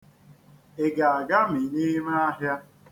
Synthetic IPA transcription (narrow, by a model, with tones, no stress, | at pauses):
e˨ɡa˨a˨ɡa˦mi˨ni˦me˦a˦ɦja˦